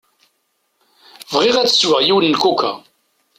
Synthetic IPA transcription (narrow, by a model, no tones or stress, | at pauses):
vʁiʁæt͡sːə̥swəʁjiwnːkukːa̰